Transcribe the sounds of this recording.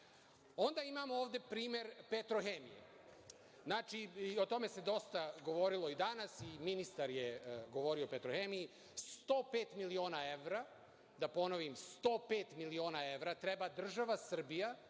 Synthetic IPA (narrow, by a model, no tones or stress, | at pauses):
o̞nd̪aimamooːʋd̪e̞pɾiːme̞ɾpet̪ɾoxemijḛ | znaːt͡ʃio̞t̪o̞me̞se̞d̪o̞st̪aɡo̞ʋo̞ɾilˠo̞id̪anasiminist̪aɾjeɡo̞ʋo̞ɾio̞pet̪ɾoxemiji | st̪oːpeːt̪milio̞ːnae̞ʋɾa | d̪apo̞noʋimst̪o̞ːpeːt̪milio̞ːnae̞ʋɾat̪ɾe̞bad̪r̩ʒaʋasr̩bija